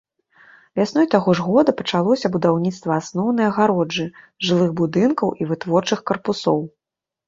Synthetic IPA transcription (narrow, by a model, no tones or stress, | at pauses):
vʲasn̪ɔjt̪aɣɔʐɣɔd̪ɐpɐt͡ʂalˠɔsʲɐbud̪awnʲit̪st̪vɐasnɔwnɐjɐɣaɾɔd͡ʐːɨ | ʐɨlˠɨɣbud̪ɨnkɐwʔivɨt̪vɔrt͡ʂɨxkɐrpusɔ̰w